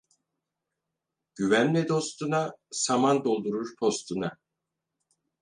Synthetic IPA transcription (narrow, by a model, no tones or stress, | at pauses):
ɟ̥yvænlɛd̪o̞st̪unasamand̪o̞lˠd̪uɾuɾpʰo̞st̪ʰuna